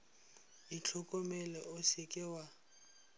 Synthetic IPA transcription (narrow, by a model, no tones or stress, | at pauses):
it͡ɬʰɔkʼɔmɛlɛʔʊsɪkʼɪwa